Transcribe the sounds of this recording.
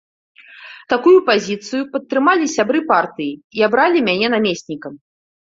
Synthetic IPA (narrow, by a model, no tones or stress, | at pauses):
t̪akujupazʲit̪sɨjupɐt̪ːɾɨmalʲisʲabɾɨpart̪ɨjiiabɾalʲimʲanʲɛnamʲesʲnʲikɐm